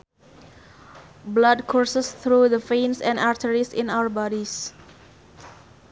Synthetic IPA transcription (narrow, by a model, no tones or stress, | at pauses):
blad̚kʰɔɹsəsθɹuðəfẽnsɛ̃ndaɹtəɹisɪ̰̃naʊə˞bɔɾis